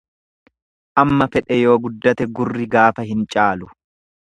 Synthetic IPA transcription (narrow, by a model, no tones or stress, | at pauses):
ʔɐmːɐfɛᶑɛjo̞ːɡʊd̪ːɐt̪ɛɡʊrːɪɡaːfɐɦɪnt͡ʃʼaːlʊ